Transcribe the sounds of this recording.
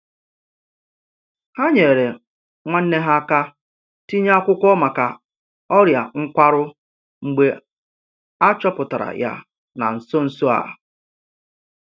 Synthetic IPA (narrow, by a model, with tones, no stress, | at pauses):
ha˦ɲe˨ɾe˨ | ŋʷa˦n̩˦ne˦ɦa˦ka˦ | ti˦ɲ˦a˦kʷʊ˦kʷɔ˦ma˨ka˨ | ɔ˦ɾja˨ŋ̩˦kʷa˦ɾʊ˦ | ŋ͡m̩˨ɡ͡be˦ | a˦t͡ʃɔ˦pʊ˨ta˨ɾa̰˨ja̰˦ | na̰˨n̩˨so˦n̩˨so˦a̰˨